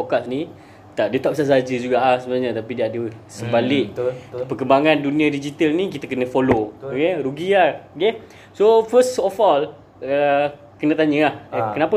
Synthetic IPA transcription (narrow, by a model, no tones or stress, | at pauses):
fokasni | t̪aʔdət̪aʔpsas̬aɦad͡ʒəd͡ʒuɡaʔhsəbənaɲãt̪apidiadəsəbalɪʔ̚pəkəmbaŋãndunĩadid͡ʒit̪əlnikit̪akənə̃folookeɾuɡiaoke | sofəstɔfɔl | ə | kənə̃t̪aɲə̃ahkənapə